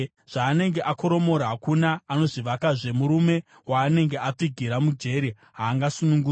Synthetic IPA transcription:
ʐ̥aːne̞ŋɡe̞ʔako̞ɾo̞mo̞ɾaɦakunaːno̞ʐiʋakaʐe̞muɾume̞ | waːne̞ŋɡe̞ap͡fiɡʱiɾamud͡ʒe̞ɾi | ɦaːŋɡasunuŋɡu

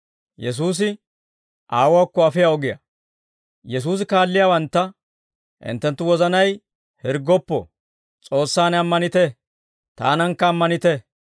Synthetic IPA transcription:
jɛs̬uːs̬ɪ | ʔaːwaːkːɔɐfɪjaɔɡɪjɐ̰ | jɛs̬uːs̬ɪkaːlːɪjaːwɐnt̪ːɐ | ʔɪ̰nt̪ːɛnt̪ːʊwɔzɐnɐj | hɪɾɡɔpːɔ̰ | t͡sʼo̞ːsːaːnɐmːɐnɪt̪ɛ | t̪a̰ːnɐŋkːɐːmːɐnɪt̪ɛ

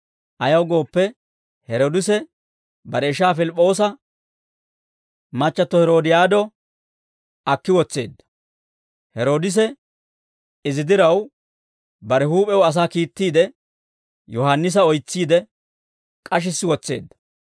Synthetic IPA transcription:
ʔɐjɐwɡo̞ːpːɛ | hɛɾoːd̪ɪsɛ | bɐɾɛɪʃaːfɪlɪpʼːo̞ːsɐ | mɐt͡ʃːɐt̪ːɔhɛɾo̞ːd̪ɪjaːd̪ɔ | ɐkːɪwɔt͡sːe̞ːd̪ːɐ̥ | hɛɾo̞ːd̪ɪs̬ɛ | ɪzɪd̪ɪɾɐw | bɐɾɛɦuːpʼɛwɐs̬aːkiːt̪ːiːd̪ɛ | jɔhanːɪs̬ɐɔjt͡sːiːd̪ɛ | kʼɐʃ̬ɪsːɪwɔt͡sːe̞̰ːd̪ːɐ̥

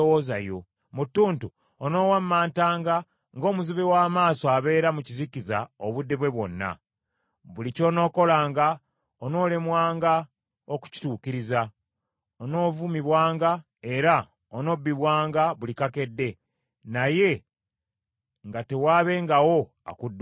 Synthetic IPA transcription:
woza̰jo̞̰ | mutːuːntu | ono̞ːwamːaːntaːŋɡa | ŋɡo̞ːmuziβewaːmaːsoaβe̞ːɾamucizikizaoβudːe̞βwe̞βwo̞nːa̰ | βulico̞ːno̞ːko̞laːŋɡa | ono̞ːle̞mwaːŋɡa | oku̥ci̥tuːkiɾiza | ono̞ːvumiβwaːŋɡa | e̞ɾa | ono̞bːiβwaːŋɡaβulikake̞dːe̞ | naje̞ | ŋɡate̞waːβe̞ŋɡawo̞ | a̰kudː

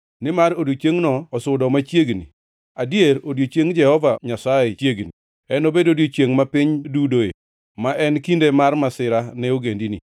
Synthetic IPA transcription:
nɪmaɾodjot͡ʃeŋnɔːsʊdɔmat͡ʃjeɡnḭ | adjeɾodjot͡ʃeŋd͡ʒɛhɔvaɲasajet͡ʃjeɡni | ɛnobedodjot͡ʃeŋmapɪɲdudoḛ | maʔɛnkindemarmasɪɾanɛoɡendinḭ

